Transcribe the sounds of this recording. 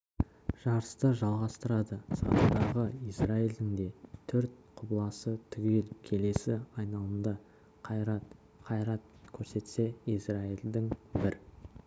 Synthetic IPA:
ʒ̥ɑɾəst̪əʒɑlˠʁɑst̪əɾɑd̪əsɑ̰ɾəd̪ɑʁəisraild̪ɪŋd̪e̞t̪ʰʏɾt̪ | qʰʊblˠɑsət̪ʰʏɡʲe̞lkʲʰe̞le̞sɪɑjnɑlˠəmd̪ə | qʰɑjɾɑt̪̚ | qʰɑjɾɑt̪̚kʲʰɵɾse̞t̪se̞ijsraild̪ɪŋbɪɾ

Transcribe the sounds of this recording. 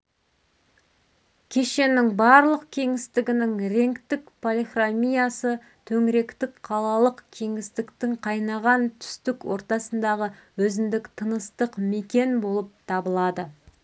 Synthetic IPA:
kʲʰe̞ʃe̞nɪŋbɑɾlˠəqkʲʰe̞ŋɪst̪ɪɡʲɪnɪŋɾe̞ŋkt̪ɪkpʰolʲˠiχramʲijasə | t̪ʰɵŋɾe̞kt̪ɪkqʰɑlˠɑlˠəqkʲʰe̞ŋɪst̪ɪkt̪ɪŋqʰɑjnɑʁɑnt̪ʰʏ̥st̪ɪkwo̞̰ɾt̪ɑsənd̪ɑʁəwɵzɪnd̪ɪkt̪ʰənəst̪əqme̞kʲe̞nbo̞lˠəp̚t̪ʰɑbəlˠɑd̪ə

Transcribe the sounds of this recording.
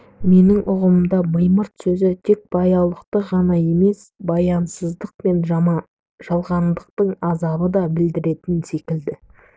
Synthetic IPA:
me̞nɪŋʔʊʁəməmd̪ɑməjməɾt̪sɵzɪt̪ʰe̞k̚b̥ɑjɑlˠəqt̪əʁɑnɑje̞me̞sbɑjɑnsəzd̪əq̚pe̞nʒ | ʒ̥ɑlˠʁɑnd̪əq̚t̪əɴɑzɑbəd̪ɑbɪld̪ɪɾe̞t̪ɪnse̞kʲɪld̪ɪ

